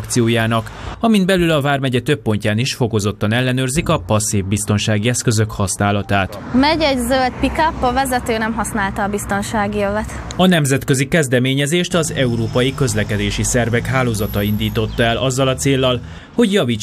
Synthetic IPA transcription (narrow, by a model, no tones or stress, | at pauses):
kt̪sijoːjaːnɒkɒmind̪̚bɛlylɒvaːrmɛɟɛt̪øpːo̞ɲcaːniʃfo̞ko̞zo̞t̪ːɒnɛlːɛnøːrzikɒpɒsːivbist̪o̞nʃaːɡiɛskø̞zø̞khɒsnaːlɒt̪aːt̪ | mɛɟɛɟzølt̪̚pikɒpːɒvɛzɛt̪øːnɛmɦɒsnaːlt̪ɒːbist̪o̞nʃaːɡiøvɛt̪ | ɒnɛmzɛt̪kø̞zikɛzd̪ɛmeːɲɛzeːʃt̪ɒzɛuɾoːpɒjikø̞zlɛkɛd̪eːʃisɛrvɛkɦaːloːzɒt̪ɒind̪iːt̪o̞t̪ːɒɛlʔɒzːɒlɒt̪seːlːɒl | ho̞ɟjɒviːt͡ʃ